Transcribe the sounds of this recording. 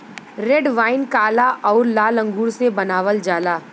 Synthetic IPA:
ɾeːɖʋaːɪnkaːlaʔɔːɾlaːlə̃ŋɡuːɾsebɐnaːʋəld͡ʒaːlaː

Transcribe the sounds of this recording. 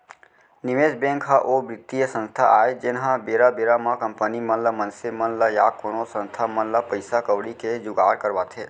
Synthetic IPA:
niʋesbẽŋkɦaʔobɪt̪ijəsə̃nst̪ʰa̰ʔaed͡ʒenɦãbeɾabeɾamãkəmpənimənləmənsemənləjakonosə̃nst̪ʰamənləpəɪsakəʋɽiked͡ʒʊɡaɾkəɾbat̪ʰe

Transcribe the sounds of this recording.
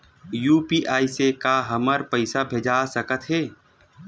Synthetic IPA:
juːpiːʔaːisekaɦəməɾpəɪsabʱed͡ʒaːsəkət̪ɦeː

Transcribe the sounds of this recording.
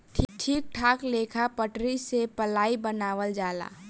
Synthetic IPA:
ʈʰʈʰiːk̚ʈʰaːkleːkʰapəʈɾisepəlaːibənaːʋəld͡ʒaːla̰ː

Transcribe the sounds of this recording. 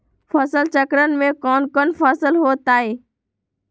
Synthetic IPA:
faːsəlt͡ʃəkɾənɪ̆mẽkɔːnkənfaːsəlɦoːt̪aːɦeː

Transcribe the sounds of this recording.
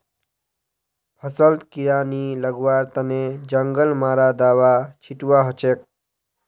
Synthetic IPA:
pʰəsəlt̪kiɾaːniləɡwaɾt̪əned͡ʒəŋɡəlmaɾad̪awat͡ʃʰiʈwaɦət͡ʃʰek̚

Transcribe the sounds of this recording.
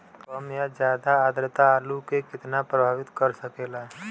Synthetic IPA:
kɔmjad͡ʒjaːd̪aːd̪ɾət̪aːlukekɪt̪napɾɐbʱaːʋɪt̪kɐɾsɐkeːlaː

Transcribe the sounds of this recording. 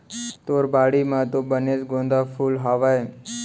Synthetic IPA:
t̪oɾbaɽimãt̪obənesɡõnd̪afʰulɦaʋaj

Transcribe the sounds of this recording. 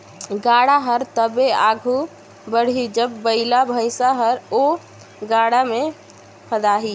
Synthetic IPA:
ɡaɽaɦəɾt̪əbeaɡʱu | bəɽ̤id͡ʒəbːəɪlabʱə̃ɪsaɦəɾo | ɡaɽame | pʰəd̪aɦi

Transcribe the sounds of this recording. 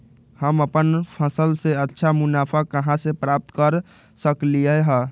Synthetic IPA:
həməpənpʰəsəlseətːʃʰamunapʰakəɦãsepɾap̚t̪kəɾ | səkliəɦə

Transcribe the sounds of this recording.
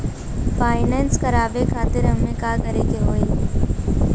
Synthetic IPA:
faːɪnɛːnskəɾaːʋekʰaːt̪ɪɾəmːẽkaːɡɐɾekeɦoːiː

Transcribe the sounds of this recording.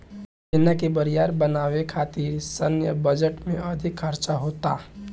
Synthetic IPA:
ɪnakebəɾijaːɾbənaːwekʰaːt̪iːɾsənjəbəd͡ʒəʈmẽɐd̪ʱɪkhəɾt͡ʃaɦoːt̪aː

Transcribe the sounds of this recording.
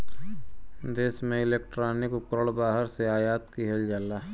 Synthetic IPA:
d̪eːsmẽɪleːk̚ʈɾaːnɪkʊkɾəɭbaːɦəɾseaːjaːt̪kiɦeld͡ʒaːlaː

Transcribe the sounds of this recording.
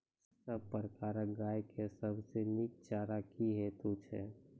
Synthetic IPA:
səbpəɾəkaːɾəkɡaːjkesəbsenik̚t͡ʃaːɾakiɦɛt̪ut͡ʃʰɛ

